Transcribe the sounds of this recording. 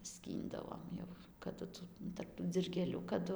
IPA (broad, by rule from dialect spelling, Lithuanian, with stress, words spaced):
ˈsʲkʲiːndɐʋoːm jɛʊ kɐˈdʊ ˈtuː tɐrp tuː d͡zʲɪlʲɡʲeːˈlʲuː kɐˈdʊ